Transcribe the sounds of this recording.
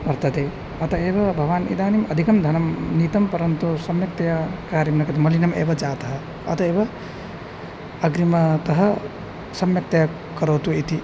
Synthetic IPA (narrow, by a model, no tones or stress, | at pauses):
bɐɾt̪ɐt̪e | ɐt̪ɐeːbɐbʱɐʋaːnḭd̪aːnimɐd̪ʱikɐmd̪ʱɐnɐmnit̪ɐmpɐɾɐnt̪usɐmjɐk̚t̪ɐjakaːɾimnɐkɐt̪imɐlinɐmḛːbɐd͡ʒaːt̪ɐɦɐ | ɐ̰t̪ɐeːbɐ | ɐɡɾimɐt̪ɐɦɐ | sɐmjɐk̚t̪ɐja | kɐɾoːt̪uit̪i